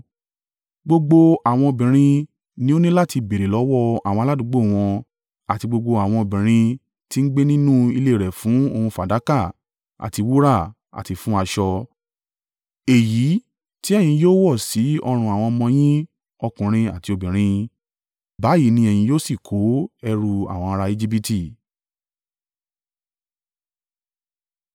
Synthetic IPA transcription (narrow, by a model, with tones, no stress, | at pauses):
ɡ͡bo˧ɡ͡bo˧a˨w̃ɔ̃˧o˧bĩ˨ɾ̃ĩ˧ | nĩ˦o˦nĩ˦la˦ti˧be˨ɾe˨lɔ˨˦wɔ˦˨a̰˨wɔ̃˧a˧˨a˦dũ˧˦ɡ͡bo˦˨w̃ɔ̃˧ | a˨ti˧ɡ͡bo˧ɡ͡bo˧a˨w̃ɔ̃˧o˧˨bĩ˨ɾ̃ĩ˧ | ti˦n̩˦ɡ͡be˦nĩ˦nũ˦i˧le˦˨ɾɛ˨fũ˨˦o˧hũ˧fa˨da˨˦ka˦˨ | a̰˨ti˧wu˦ɾa˦˨ | a̰˨ti˨˧fũ˨˦a˧ʃɔ˧ | e˨ji˨˦ | ti˦ɛ˦˨j̃ĩ˧joː˦wɔ˦˨si˨˦ɔ˧ɾ̃ũ˧a˨w̃ɔ̃˧mɔ̃˧j̃ĩ˦ | ɔ˧kũ˨ɾ̃ĩ˧a˨ti˧o˨bĩ˨ɾ̃ĩ˧ | ba˨˦ji˨˦nĩ˧ɛ˨j̃ĩ˧joː˦si˦˨kʰo˨˦ɛ˧ɾu˧a̰˦˨w̃ɔ̃˧a˧ɾa˧i˧d͡ʒi˦pi˦ti˦˨